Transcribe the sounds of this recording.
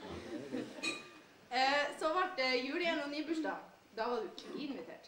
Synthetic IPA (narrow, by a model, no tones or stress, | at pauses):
sɔʋɑʈjʉːlɪɛnɔniːbʉʃʈɑ | d̪ɑːʋɑɖʉkʰʋiːɪnmʋɪt̪ʰḛːʈ